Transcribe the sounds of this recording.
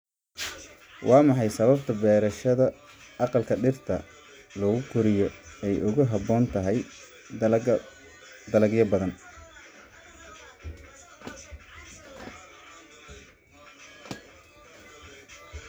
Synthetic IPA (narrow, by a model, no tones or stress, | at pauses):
wʔɑːmɑħɑjsɐβɐb̚t̪ʰɐbɛːɾɐʃɐðɐ | ɑqɑlkʰɐɖɪrt̪ʰɐ̰ | lɔːɣʊkʰʊɾɪjɔɛjʔʊɣʊɦɑbɔːnt̪ʰɐɦɛj | d̪ɐlɐɡjɐbɐðɐn